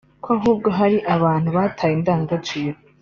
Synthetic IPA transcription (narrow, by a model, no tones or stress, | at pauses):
kʰʷoaɦuːb̚ɡo̞ɦaɾiʔaβaːn̥huβaːtʰaːjindaːŋɡat͡ʃiɾo